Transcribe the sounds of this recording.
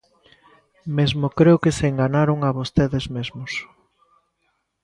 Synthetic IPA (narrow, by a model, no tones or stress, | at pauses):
mezmokɾeʊkeseŋɡanaɾoŋaβost̪eðezmezmos